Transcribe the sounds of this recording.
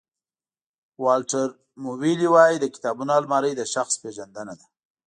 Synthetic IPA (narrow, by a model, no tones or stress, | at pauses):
wɑlʈaɾ | muwiliwɑjid̪əkɪ̥t̪ɑbunɑlmɑɾəjd̪əʃaxspeʒand̪anad̪a